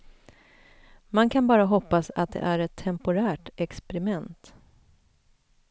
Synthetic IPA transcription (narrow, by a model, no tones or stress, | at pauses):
mankʰanbɑːɾaɦɔpːasa̰t̪̚d̪ɛ̰ʔæɾɛt̪ʰːɛmpʊɾæːʈɛkspɛɾɪmɛnt̪